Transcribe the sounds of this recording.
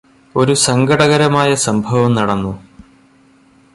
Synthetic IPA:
o̞ɾusɐŋɡɐɽɐɣɐɾɐmaːjɐsɐmbʱɐʋɐmnɐɽɐnːu

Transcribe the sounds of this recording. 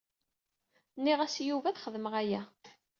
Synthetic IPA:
nːiʁæsjuvæθχəðməʁæjæ

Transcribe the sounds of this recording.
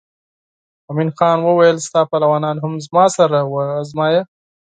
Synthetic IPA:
aminxɑnwəwajəlst̪ɑpalawɑnɑːnɦʊmzmɑsaɾawaːzmɑja

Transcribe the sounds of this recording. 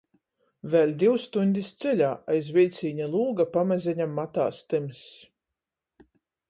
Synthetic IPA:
vɛlʲd̪ʲiwst̪unʲd̪ʲist̪sɛlʲaːʔajzvʲilʲt̪sʲiːɲalˠuːɡapamazʲɛɲamːat̪a̰ːst̪ɨms

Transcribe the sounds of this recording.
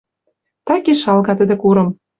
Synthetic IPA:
t̪ɑkeʃɑlɣɑt̪ə̆d̪ĕkuɾɤ̆m

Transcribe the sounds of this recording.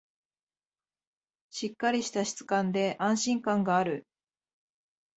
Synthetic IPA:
ɕikːaɾʲiɕi̥t̪aɕi̥t͡sɨ̥kãnd̪e̞ʔãɰ̃ɕĩŋkãŋɡaːɾɯ̟

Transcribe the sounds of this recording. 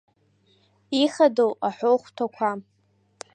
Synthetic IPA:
iχadowaħʷoχʷtʰakʷʰa

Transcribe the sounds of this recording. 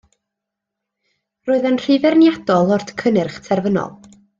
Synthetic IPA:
roːɨðənr̥ɪvɛrnjadɔlˠɔrd̥kʰənɪrχtʰɛrvənɔ̰lˠ

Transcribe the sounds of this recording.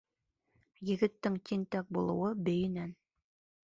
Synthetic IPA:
jɘ̆ɡɘ̆t̪ːɘŋt̪ʲint̪ɑk̚bulˠɤ̆wɤbɵ̆jɘ̆næn

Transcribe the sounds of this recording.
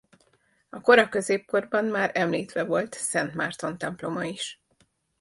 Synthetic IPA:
ɒko̞ɾɒkø̞zeːp̚ko̞rbɒnmaːɾɛmliːt̪ʋɛvo̞lt̪sɛnt̪maːrt̪o̞nt̪ɛmplo̞mɒiʃ

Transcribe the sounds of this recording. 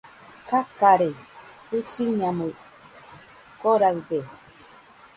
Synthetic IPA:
kakaɾetut͡ʃiɲamu | koɾad̪e

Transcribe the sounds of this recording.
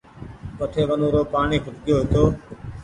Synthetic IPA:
kəʈʰeːʋənoːɾoːpaːɳiːpʰʊʈɠɪjoːɦɪt̪oː

